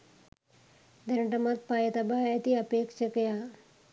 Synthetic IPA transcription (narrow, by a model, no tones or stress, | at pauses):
d̪ɐnɐʈɐmat̪̚pajɐt̪ɐbaːjɐt̪iɐpeːkʂɐkɐja